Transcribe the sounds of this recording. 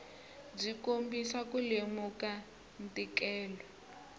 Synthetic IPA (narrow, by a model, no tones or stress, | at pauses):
d͡zikombisakulemuka | n̩tʼikɛːlɔ